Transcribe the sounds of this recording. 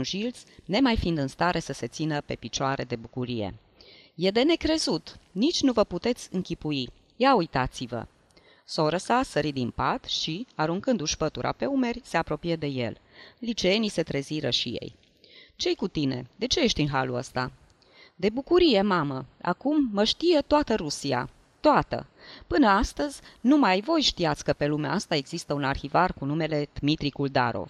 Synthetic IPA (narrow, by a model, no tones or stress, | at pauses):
nʒilt̪sʲne̞majfind̪ɨnst̪aɾʔe̞səse̞t̪sinəpe̞pit͡ʃoaɾe̞d̪e̞bukuɾije̞̰ | je̞d̪e̞ne̞kɾe̞zut̪nit͡ʃʲnuvəput̪e̞t̪sʲɨŋkʲipui | jaujt̪at̪sivə̰ | so̞ɾəsasəɾid̪impat̪ʃiaɾuŋkɨnd̪uʃpət̪uɾʔa̰pe̞ume̞rʲse̞apɾo̞pije̞d̪e̞je̞̰llit͡ʃeenise̞t̪ɾe̞ziɾə̰ʃije̞̰j | t͡ʃe̞jkut̪ine̞̰d̪e̞t͡ʃe̞jeʃt̪ʲinɦalṵə̰st̪a̰ | d̪e̞bukuɾije̞maməa̰kumːəʃt̪ije̞t̪oat̪əɾusia̰ | t̪oat̪ə̰pɨnəast̪əzʲnumajvo̞jʃt̪iat̪sʲkəpe̞lumea̰ast̪ae̞ɡz̥ist̪əunarxivarkunume̞le̞d̪̥mit̪ɾikuld̪a̰ɾo̞̰v